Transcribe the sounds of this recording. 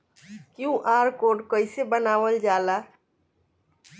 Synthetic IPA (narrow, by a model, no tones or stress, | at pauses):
kjũʔaɾkoɖkəjsebənaʋəld͡ʒala